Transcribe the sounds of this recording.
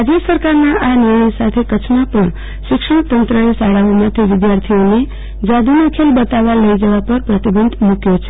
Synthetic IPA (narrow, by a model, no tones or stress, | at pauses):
ad͡ʒəsəɾkaɾnaʔanɪɾɳ̃əjsat̪ʰekət͡ʃʰmãpəɳ | ʃɪkʂəɳ̃t̪ənt̪ɾəesaɽaʋomãt̪ʰiʋɪd̪jaɾt̪ʰione | d͡ʒad̪ʱunakʰelbət̪aʋaləid͡ʒəʋapəɾpɾət̪ibənd̪ʱmũkjot͡ʃʰe